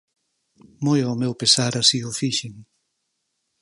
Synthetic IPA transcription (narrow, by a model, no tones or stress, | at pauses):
mojawmewpesaɾasiʊfiʃiŋ